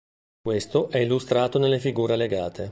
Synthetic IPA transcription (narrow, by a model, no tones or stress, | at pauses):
kwest̪oʔɛilːust̪ɾaːt̪onelːefiɡuːɾeleɡaːt̪ʰe